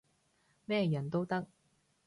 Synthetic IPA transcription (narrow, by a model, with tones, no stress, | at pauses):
mɛː˥˧jɐ˨˩nt̪o˥wt̪ɐ˥k̚